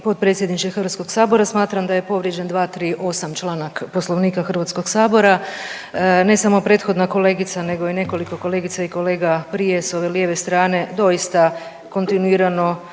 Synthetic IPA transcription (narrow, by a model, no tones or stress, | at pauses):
po̞t̪̚pɾe̞t̪sje̞d̪nit͡ʃexərɾʋat̪sko̞ɡsaːbo̞ɾasmaːt̪ɾamd̪aje̞po̞ʋɾje̞d͡ʑend̪ʋaːt̪ɾiːʔo̞samt͡ʃlˠaːnakpo̞slˠo̞ʋniːkaxr̩ʋat̪sko̞ɡsaːbo̞ɾa | ne̞samo̞pɾe̞ːt̪xo̞d̪nako̞le̞ːɡit̪sane̞ɡo̞ine̞ko̞liko̞ko̞le̞ːɡit̪saikole̞ːɡapɾije̞so̞ʋe̞lje̞ʋe̞st̪ɾaːne̞d̪o̞jist̪a | ko̞nt̪inuiːɾano̞